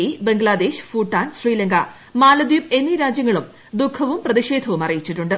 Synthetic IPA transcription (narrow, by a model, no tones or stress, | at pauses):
ibe̞ŋɡɭaːd̪eːʂfuːʈːaːnɕriːlɐŋɡɐ | maːlɐd̪jipe̞nːiɾaːd͡ʑjɐŋːɐɭum | d̪ukʰɐʋumprɐðiʂe̞ːd̪ʱɐʋumɐrijit͡ɕːiʈːuɳɖɨ